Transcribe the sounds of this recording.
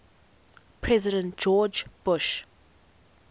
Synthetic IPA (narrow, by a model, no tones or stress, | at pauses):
pʰɹɛzɪɾə̃ntd͡ʒɔːd͡ʒb̥ʊʃ